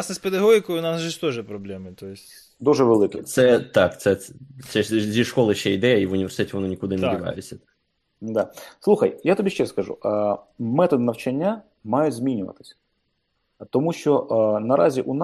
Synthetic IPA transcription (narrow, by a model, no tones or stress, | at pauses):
snɛsped̪ɐɦɔɦʲɪkɔjʊʊnɑsʒɛʃt̪ɔʒɛpɾɔblʲɛmɪt̪ɔjɪsʲ | d̪uʒɛʋelˠɪkɛt̪sɛt̪ɑkt̪sɛsɛzʲiʃkɔlˠɪʃt͡ʃɛijd̪ɛjɛiʋʊnʲiʋʲesʲt̪ɛtʲʋɔnɔnʲikʊd̪ɪndʲiʋɑ̰jetʲt͡sʲɐt̪ | d̪ɑslˠuxɐ̰jjat̪ɔbʲiʃt͡ʃɛskɐʒṵ | mɛt̪ɔd̪ɪnɐwt͡ʃɐnʲːa | mɑjʊdʲzʲmʲinʲʊʋɐ̰t̪ɪ̥sʲɐ̥ | t̪ɔmuʃt͡ʃɔʔnɐɾʔɑ̰zʲiʔʊn